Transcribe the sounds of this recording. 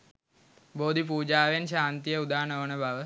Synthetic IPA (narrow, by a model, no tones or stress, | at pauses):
boːd̪ipuːd͡ʒaːʋenʃaːnt̪ijəud̪aːnəʋənəbaʋə